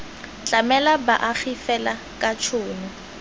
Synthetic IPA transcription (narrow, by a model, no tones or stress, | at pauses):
t͡ɬʼamɛlabaʔak͡xifɛla | kʼat͡ʃʰʊːnʊ